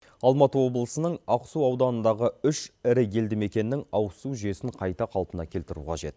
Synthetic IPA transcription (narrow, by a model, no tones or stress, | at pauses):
ɑlˠmɑt̪əwo̞blˠəsənəɴɑqsuɑwd̪ɑnənd̪ɑʁəʏʃɪɾɪje̞ld̪ɪme̞kʲe̞nːɪŋɑwsuʒe̞sɪɴqʰɑjt̪ɑqʰɑlˠpənɑ̰kʲʰe̞lt̪ɪɾṵqʰɑ̰ʒe̞t̪